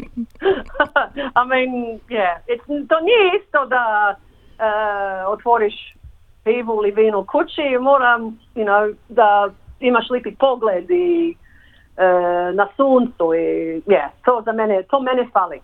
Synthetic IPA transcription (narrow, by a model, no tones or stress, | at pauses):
amĩnjɛɛt̪t̪oːniɛist̪od̪a | əot̪ʋoɾiʃ | piːʋuliʋiːnukʰut͡ʃimoːɾam | inad̪aimaʃlipipoɡled̪i | ənasuːnt̪suijɛt̪oːzamɛnɛt̪ʰoːmɛnɛfali